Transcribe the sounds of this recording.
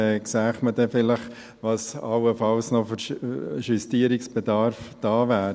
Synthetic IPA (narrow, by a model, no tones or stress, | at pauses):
ksæːχmədɛfɪləχ | ʋɑsɑwəfɑlsnofyɾʃystiəɾiksb̥edɑːɾfd̥ɑːʋæːɾ